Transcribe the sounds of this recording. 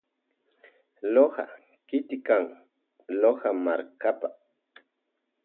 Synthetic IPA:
loha̰ | kɪt̪ɪkaŋ | lohamaɾkapa

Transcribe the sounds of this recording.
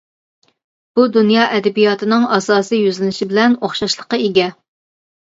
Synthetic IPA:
b̥ud̪unjɑːʔɛd̪ɛbijɑt̪ɨnɨŋɑsɑːsijyzlɪnɪʃibɪlɛnoχʃɑʃlˠəqɑeɡʲɛ

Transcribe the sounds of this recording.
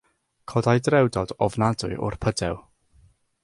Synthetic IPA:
kʰɔdajdrɛwdɔdɔvnadʊɨʔʊ̰r̥pʰədɛw

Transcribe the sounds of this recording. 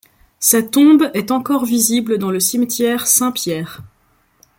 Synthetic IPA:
sat̪ɔ̃bɛt̪ɑ̃kɔʁvizibləd̪ɑ̃ləsimt̪jɛʁsɛ̃pjɛːʁ

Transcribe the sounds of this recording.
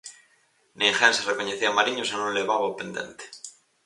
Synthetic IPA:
nẽŋxẽnserekoɲeθiamaɾiɲosenũnleβaβapẽnd̪e̞̰nt̪e̥

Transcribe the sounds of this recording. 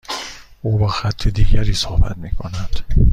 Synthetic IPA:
ʔuːbeːxæt̪ʰːed̪iːɟæɾiːsohbæ̰t̪miːkʰo̞̰nænd̪̥

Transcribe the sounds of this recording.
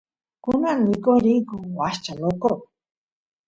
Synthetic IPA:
kunanikoɾikuwaʃt͡ʃanoko

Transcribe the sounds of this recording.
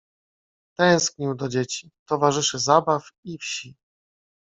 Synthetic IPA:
t̪ɛ̃w̃skɲiwd̪ɔd͡ʑet͡ɕit̪ɔvaʐɘʂɘzabafifɕi

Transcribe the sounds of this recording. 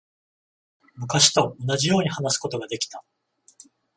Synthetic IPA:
mɯ̟kaɕi̥t̪o̞ːnaʑijo̞ːɲ̟ihanasɨ̥ko̞t̪o̞ɡad̪e̞kʲi̥t̪a

